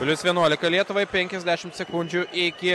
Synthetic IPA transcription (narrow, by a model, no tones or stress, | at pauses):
lʲʊsʋʲiɛnuɔlʲɪkɐlʲiɛt̪ʊʋɐɪpʲɛŋʲkʲɛzʲd̪ʲæʃʲɪmt̪sʲɛkʊnʲd͡ʒʲuːʔɪkʲɪ